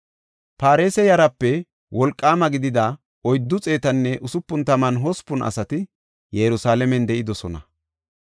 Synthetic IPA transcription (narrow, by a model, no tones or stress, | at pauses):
paːɾe̞ːsɛjɐɾɐpːɛ | wɔlkʼːaːmɐɡɪd̪ɪd̪ɐ | ɔjd̪ːʊt͡sʼe̞ːt̪ɐnːɛʔʊsʊpːʊnt̪ɐmɐnɦɔspːʊnʔɐ̰sɐt̪ɪ | jɛɾʊsaːlɛmɛnd̪ɛʔɪd̪ɔsɔnɐ̰